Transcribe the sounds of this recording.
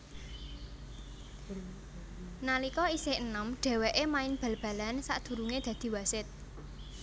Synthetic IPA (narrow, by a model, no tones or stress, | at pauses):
nalikɔisenəmɖ̥ɛ̤weʔemaɪnb̥a̤lb̥ä̤lansa̰ʔd̪̥ṳɾuŋed̪̥ä̤d̪̥i̤wasɪt̪̚